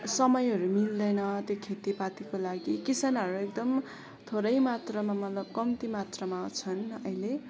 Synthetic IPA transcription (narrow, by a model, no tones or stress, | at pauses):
sʌmʌjɦʌɾumild̪ʌjnʌt̪jokʰet̪ipat̪ikolaɡikisanɦʌɾuek̚d̪ʌm | t̪ʰoɾʌjmat̪rʌmamʌt̪lʌb̚kʌmt̪imat̪rʌmawt͡sʰʌnʌjle